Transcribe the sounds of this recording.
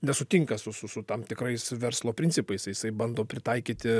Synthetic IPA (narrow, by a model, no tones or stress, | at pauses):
nʲɛsʊt̪ʲiŋkɐsʊsʊsʊt̪ɐmt̪ʲɪkɾɐɪsʋʲɛɾslˠoːpʲɾʲɪnʲt͡ssʲɪpɐɪsɐjɪsɐɪbɐnd̪oːpʲɾʲɪt̪ɐɪkʲiːt̪ʲɪ